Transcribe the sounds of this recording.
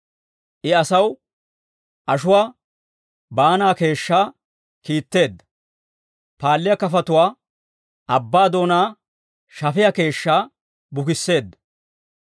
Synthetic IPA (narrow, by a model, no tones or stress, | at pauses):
ʔɪɐsɐw | ʔɐʃʊwaː | baːnaːke̞ːʃːaː | kiːt̪ːe̞ːd̪ːɐ̥ | paːlːɪjɐkɐfɐt̪ʊwaː | ʔɐbːaːd̪o̞ːnaː | ʃɐfɪjɐke̞ːʃːaː | bʊkɪsːe̞ːd̪ːɐ̥